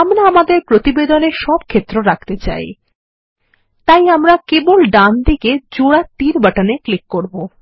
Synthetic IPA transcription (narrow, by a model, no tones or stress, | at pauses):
amɾaamad̪eɾpɾot̪ibed̪oneʃɔb̚kʰet̪ːɾoɾak̚t̪et͡ɕa̰j | t̪ajamɾakebolɖand̪iked͡ʑoɽat̪iɾbaʈaneklikːoɾbo